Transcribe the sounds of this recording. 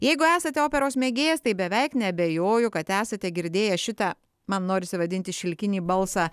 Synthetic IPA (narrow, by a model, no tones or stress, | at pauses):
jɛɪɡʊæːsɐt̪ʲɛoːpʲɛɾoːsmʲeːɡʲeːjɛst̪ɐɪbʲɛʋʲɛɪknʲɛɐbʲɛjoːjʊkɐt̪æːsɐt̪ʲɛɡʲɪɾʲd̪ʲeːjɛʃʲɪt̪ɑː | mɐnnoːɾʲɪsʲɪʋɐd̪ʲɪnʲt̪ʲɪʃʲɪlʲkʲɪnʲiːbɐlˠsɑː